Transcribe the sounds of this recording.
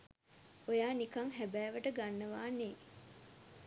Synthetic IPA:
ojaːnikaŋɦæbæːʋəʈəɡanːəʋaːne

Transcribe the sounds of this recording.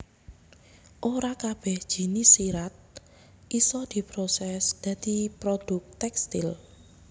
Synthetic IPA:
ʔoɾakab̥ɛhd̥ʒ̥i̤nisiɾat̪̚ | ʔisɔd̪̥i̤pɾosɛsd̪̥ä̤d̪̥ipɾod̪̥ʊk̚t̪ɛkst̪ɪl

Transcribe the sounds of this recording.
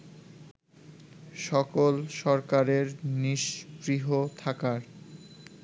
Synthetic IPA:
ʃɔkolʃɔɾkaɾeɾniʃbɾiɦot̪ʰakaɾ

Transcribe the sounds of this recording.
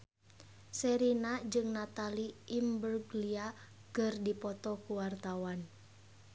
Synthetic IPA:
sɛɾinad͡ʒɨŋnat̪aliimbərɡlia | kɨrdipɔt̪ɔkuwart̪awan

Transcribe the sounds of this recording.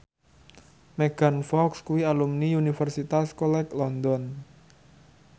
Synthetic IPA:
mɛɡ̥anfɔkskuwialumniunifərsit̪askɔlɛklɔnd̪ɔn

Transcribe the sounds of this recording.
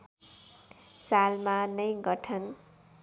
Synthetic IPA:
salmanʌjɡʌʈʰʌn

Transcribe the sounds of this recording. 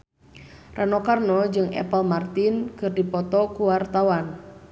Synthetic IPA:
rʔanɔkarnɔd͡ʒɨŋɛ̰pəlmart̪inkɨrdipɔt̪ɔkuwart̪awan

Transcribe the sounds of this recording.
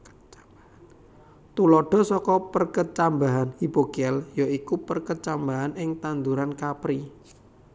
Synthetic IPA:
t̪ulɔɖ̥ɔ̤sɔkɔpərkət͡ʃambaɦanhibokiɛljoikupərkət͡ʃambaɦanɪŋt̪and̪uɾankapɾi

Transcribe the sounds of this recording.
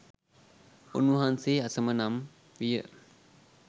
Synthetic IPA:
ṵnuɦanseːasəmənam | ʋijə

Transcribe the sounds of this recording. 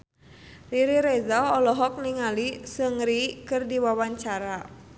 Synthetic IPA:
riɾiɾɛzaɔlɔɦɔk̚niŋalisəŋɾikɨrdiwawaɲt͡ʃaɾa

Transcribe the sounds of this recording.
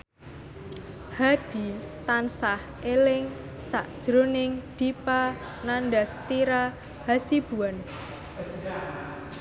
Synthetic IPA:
had̥i̤t̪ansah | elɪŋ | saʔd̥ʒ̥ɾonɪŋd̥ipa | nanɖast̪iɾa | hasib̥ṳan

